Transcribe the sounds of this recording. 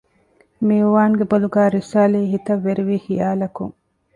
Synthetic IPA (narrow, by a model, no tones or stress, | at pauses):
miuʋaːŋɡeboluɡæːɾisaːliːɦit̪ɐʋːeɾiʋiːhijaːlɐkṵŋ